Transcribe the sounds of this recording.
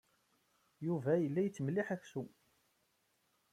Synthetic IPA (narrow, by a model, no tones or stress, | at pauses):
juvæjəlːæjt͡sːəmliħæçsu